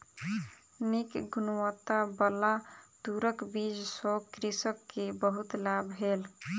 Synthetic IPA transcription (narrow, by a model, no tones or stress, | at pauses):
nikɡunwət̪abəlad̪uɾəkbid͡ʒsɔkɾisəkːebəɦut̪labʱɦel